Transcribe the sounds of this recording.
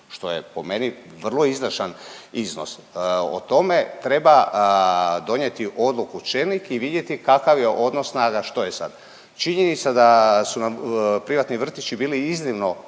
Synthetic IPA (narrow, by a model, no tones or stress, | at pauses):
ʃt̪o̞je̞po̞me̞ni | ʋr̩lˠo̞izʋr̩ʃanizno̞̰so̰t̪o̞me̞t̪ɾe̞ba | d̪o̞ɲe̞t̪iʔo̞d̪lˠukut͡ʃelnikiʋid̪je̞t̪ikakaʋje̞ʔo̞d̪no̞sːnaːɡaʃt̪o̞jesa̰d̪̥ | t͡ʃiɲe̞nit̪sad̪asunampɾiʋat̪niʋr̩t̪it͡ʃibiːliizniʋno̞